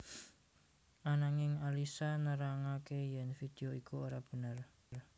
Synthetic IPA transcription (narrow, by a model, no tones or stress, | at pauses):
ʔanaŋɪŋalisanəɾaŋakejɛnfid̪̥e̤oikuoɾab̥ə̤nər | r